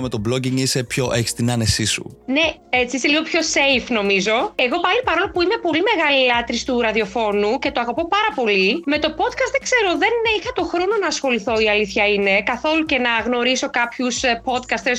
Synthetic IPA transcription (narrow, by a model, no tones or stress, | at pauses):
met̪obloɟiŋisepço̞ʔeçi̥st̪inɐnesisṵne̞et͡siiseliɣo̞pço̞se̞jfno̞mizo̞eɣo̞pɐlipɐɾo̞lopuime̞po̞lime̞ɣɐlilɐt̪ɾist̪uɾɐðio̞fo̞nuce̞t̪oɐɣopo̞pɐɾɐpo̞lime̞t̪o̞po̞d̪̚kɐst̪ðeɡse̞ɾo̞ðe̞nixɐt̪o̞xɾo̞no̞nɐːsxo̞liθo̞iɐliθçɐine̞kɐθo̞luce̞nɐɣno̞ɾiso̞kɐpçuspo̞t̪kɐst̪es